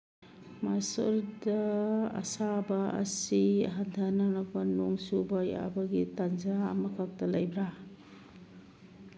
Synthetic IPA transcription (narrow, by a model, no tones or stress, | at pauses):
masɐɾdɐɐ̰sabɐɐ̰siɦandʰananak̚panuŋsubaja̰bɐɡitanzaːmɐkʰak̚tɐlajbɾa